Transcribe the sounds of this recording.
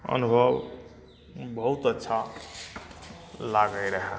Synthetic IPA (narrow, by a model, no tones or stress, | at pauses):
ʌ̰nubʱʌb | bʌɦut̪ətːʃʰa | laɡəjɾəɦe